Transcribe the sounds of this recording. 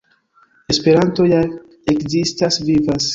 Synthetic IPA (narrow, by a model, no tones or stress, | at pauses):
e̞spe̞ɾanto̞ja | ekzistasvivas